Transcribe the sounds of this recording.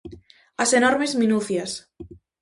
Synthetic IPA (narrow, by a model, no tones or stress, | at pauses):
asenɔɾmezmĩnuθjas